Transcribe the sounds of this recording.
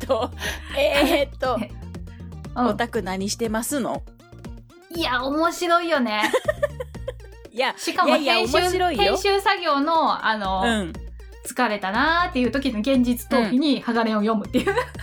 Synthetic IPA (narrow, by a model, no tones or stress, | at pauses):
oet̪ːo | ɯ̃ot̪akɯ̟naɲ̟iɕi̥t̪e̞masɨno̰ | iaomo̞ɕiɾo̞ijo̞ne̞ | aɕikamosẽɕɨɾoiẽ̞ɕɨːsaɡʲo̞ːno̞a̰no̞ɯ̃ | t͡sɨ̥kaɾe̞t̪anat̪ːe̞jɯ̟ːt̪o̞kʲid̪oɡẽ̞ɲ̟d͡ʑit͡sɨ̥t̪o̞ːkiɲ̟ihaɡaɾẽojo̞mɯ̟t̪ːejɯ̟ː